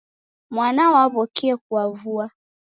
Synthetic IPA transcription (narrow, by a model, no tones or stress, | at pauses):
mwanawapɔkɛɛk̚uavua